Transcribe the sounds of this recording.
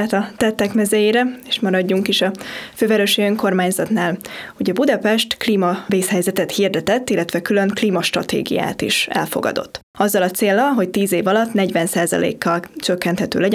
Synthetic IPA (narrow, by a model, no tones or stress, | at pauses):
t̪ɒt̪ɛt̪ːɛkmɛzɛjeːɾɛeːʃmɒɾɒɟːuŋkiʃɒføːvɛɾøʃijøŋko̞rmaːɲzɒt̪naːlho̞ɟɒbud̪ɒpɛʃt̪kliːmɒveːshɛjzɛt̪ɛt̪hird̪ɛt̪ɛt̪ːilːɛt̪ʋɛkylø̞ŋkliːmɒʃt̪rɒt̪ḛːɡḭja̰ːt̪ḭʃɛ̰lfo̞̰ɡɒ̰d̪o̞̰t̪ː | ɒzːɒlɒt̪seːlːɒlɦo̞ct̪iːzeːvɒlɒt̪nɛɟvɛnsaːzɒ̰lḛːkːɒlt͡ʃøkːɛnt̪hɛt̪ø̰ːlɛɟɛ